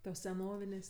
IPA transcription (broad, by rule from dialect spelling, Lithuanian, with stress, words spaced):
toːs sʲɛˈnoːʋʲɪnʲeːsʲ